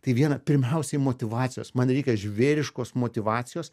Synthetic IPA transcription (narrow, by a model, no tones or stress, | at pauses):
t̪ɐɪʋʲiɛnɐpʲɪɾʲmʲɛʊsʲɛɪmoːt̪ʲɪʋɑːt̪t͡s̪ʲsʲɪjoːsmɐnɾʲɛɪkʲɛʒʲʋʲeːɾʲɪʃkoːsmoːt̪ʲɪʋɑːt͡s̪ʲɪjoːs